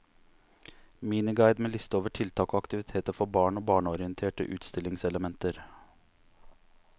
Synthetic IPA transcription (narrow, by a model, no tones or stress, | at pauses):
miːnɪɡɑɪd̪meːlɪst̪əoːʋəʈʰɪlt̪ʰɑːkoːɑkt̪ɪʋɪt̪ʰeːt̪əɾfɔɾbɑːɳoːbɑːɳəɔɾɪənt̪ʰeːʈə̰ʔʉ̰ːt̪st̪ɪlɪŋsɛləmɛnt̪əɾ